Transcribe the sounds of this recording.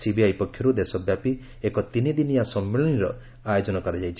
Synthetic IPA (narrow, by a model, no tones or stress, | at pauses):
sibijajpɔkʰːjɔɾud̪esɔbjapi | ekɔt̪inid̪inijasɔmːeɭɔniɾɔ̰ | ajod͡ʒɔnɔkɔɾad͡ʒajt͡ʃʰi